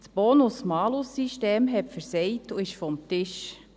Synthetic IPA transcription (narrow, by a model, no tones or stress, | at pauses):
sb̥oːnʊsmɑːlʊsːiʃteːmɦɛpfəɾsɛjtuɪʃfɔmt̪ɪʃ